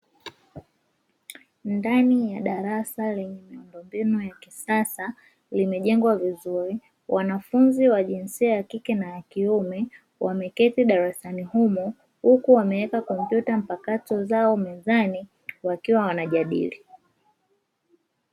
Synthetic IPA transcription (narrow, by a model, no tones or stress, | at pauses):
ndanijaɗaɾasalɛɲɛmiundɔmbinujakisasa | limɛʄɛŋɡwavizuɾi | wʔanafunziwaʄinsiajakikɛnajakiumɛ | wamɛkɛtiɗaɾasanihumɔ | hukuwamɛɛkakɔm̩pjutam̩pakatɔzaɔmɛzani | wakiwawanaʄaɗḭli